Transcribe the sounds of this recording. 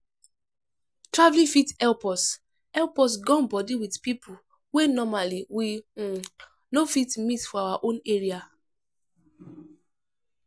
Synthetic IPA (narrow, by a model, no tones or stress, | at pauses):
tɹavlĩfitɛlpɔs | ɛlpɔs̬ɡɔ̃nbɔdiwidpipʰu | wenɔmaliwi | nofitmitfɔawaʔõneɹia